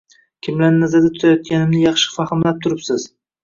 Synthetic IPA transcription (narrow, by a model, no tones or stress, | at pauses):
kʲʰɪmlanːazad̪at̪ʰʊ̥t̪ʰajɒt̪̚kʲanɪmnɪjɑχʃɪ̥fahɪmlap̚t̪ʰʊɾɪpsɪz̥